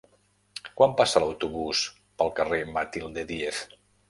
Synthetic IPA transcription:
kwampasələwt̪uβus | pəlˠkəremət̪ilˠd̪eðief

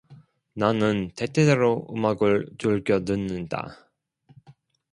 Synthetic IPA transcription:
nanɯnte̞t͈ʰedeɾoɯmaɡɯɭt͡ɕuɭɡjʌnɯnːɯnda̰

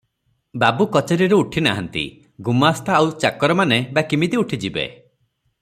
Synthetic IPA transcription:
babukɔt͡ʃeɾiɾuːʈʰina̰ɦant̪ḭ | ɡumɔːst̪ʰaːwt͡ʃakɔɾɔmanebakimit̪iuʈʰid͡ʒibḛ

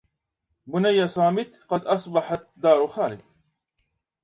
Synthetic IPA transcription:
bʊnajːasˤɑːmɪt̪qɑd̪ʔɑsˤbɑħat̪d̪ɑːɾˤxaːlɪd̪̚

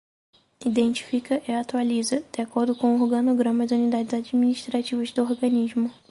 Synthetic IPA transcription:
id̪ẽnt͡ʃi̥fikɐʔɪat̪ualizɐd̪̥eakoɾd̪ʊkõw̃ʊohɡɐnoɡɾɐ̃mɐd͡ʒɪunid̪ad͡ʒɪzad͡ʒaminiʃt̪ɾat͡ʃivɐzd̪ʊoɾɡɐ̃nizmʊ

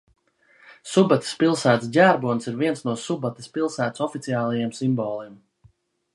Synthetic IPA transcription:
subat̪i̥spilˠsæːt̪sɟʲæːɾbuɔnsiɾviɛnsnuɔsubat̪i̥spilˠsæːt̪sɔfit̪siaːlˠajemsimbɔːlˠim

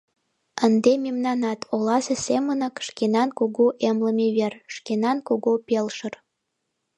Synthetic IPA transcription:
ənd̪emimnɑnɑt̪ʰolɑzesemənəkʃkenɑnkoɣoʔemləmeβerʃkenɑnkoɣopelʃər

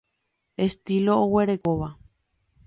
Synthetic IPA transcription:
e̞st̪ilo̞ːwe̞ɾe̞koʋa

